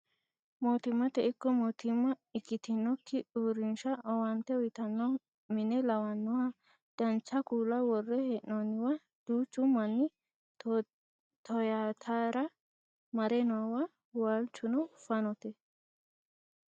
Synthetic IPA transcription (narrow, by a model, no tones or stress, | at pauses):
moːt̪ɪmːɐt̪ɛʔɪkːɔmoːt̪ɪmːɐɪkːɪt̪ɪnːɔkːɪʔuːɾɪnʃɐʔɔwɐnt̪ɛɔjt̪ɐnːɔ | mɪnɛlɐwɐnːɔhɐ | d̪̥ɐnt͡ʃːɐkuːlɐwɔrːɛheʔnɔnːɪwɐ | d̪̥uːt͡ʃːʊmɐnːɪ | t̪ɔjaːt̪ʰaːɾɐ | mɐɾɛnɔawɐ | walt͡ʃːʊnɔfɐnɔt̪ɛ